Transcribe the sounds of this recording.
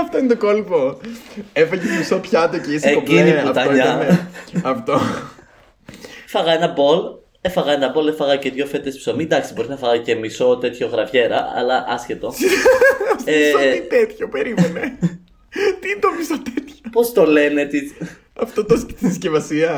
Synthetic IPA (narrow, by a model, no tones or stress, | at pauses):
ɐft̪oinet̪okolpo | efɐʝemisopçɐt̪oceiseciniput̪ɐɲɐ | ɐft̪o | fɐɣɐe̞nɐbo̞l | e̞fɐɣɐe̞nɐbo̞le̞fɐɣɐceðʝo̞fe̞t̪espsomid̪ɐksibo̞ɾinɐfɐɣɐce̞miso̞t̪e̞t̪ço̞ɣɾɐvçe̞ɾɐ̰ɐ̰lɐʔɐsce̞t̪o̞ | seit̪et̪çopeɾimene | t̪int̪omisot̪et̪çopo̞st̪o̞le̞net̪i | ɐft̪ot̪ot̪iθiscevɐsiɐ